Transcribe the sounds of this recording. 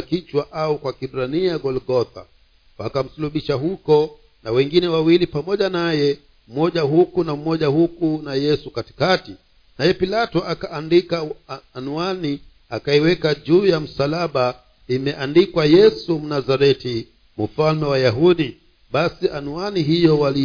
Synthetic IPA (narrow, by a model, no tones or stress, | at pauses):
akit͡ʃwaʔaukwakiɓɾaniaɡɔlɡɔθa̰ | wakam̩suluɓiʃaɦukɔ | nawɛŋɡinɛwawilipamɔʄanajɛ | m̩mɔʄahukunam̩mɔʄahukunajɛsukati̥kati | najɛpilatɔʔakaʔːndikaːnuani | akaiwɛkaʄuːjam̩salaɓa | imɛʔandikwajɛsum̩nazaɾɛti | m̩falmɛwajaɦuɗi | ɓasiʔanuaniɦijɔwali